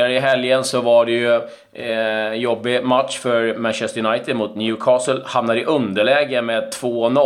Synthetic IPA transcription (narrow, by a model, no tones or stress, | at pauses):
əɾəɪɦɛljənsɔvaɖɛjɵ | jɔbːɪmat̪ʂfœɾmænɕɛst̪əɾjnaɪt̪ɪd̪mʊt̪njʉːkʰɑːsəlhamnaɾɪʔɵnd̪əɭɛːɡəmeːd̪̚t̪ʰvoːnɔ